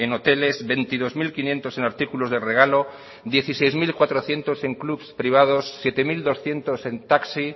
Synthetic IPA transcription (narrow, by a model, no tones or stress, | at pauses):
eno̞t̪e̞le̞zβe̞nt̪ið̞o̞zmilkinjẽ̞nt̪ose̞naɾt̪ikulozðere̞ɣ̞alo̞ | d̪je̞θisejzmilkwat̪ɾoθje̞nt̪o̞se̞ŋklupspɾiβ̞að̞osːje̞t̪e̞mild̪o̞sθje̞nt̪ose̞nt̪aksi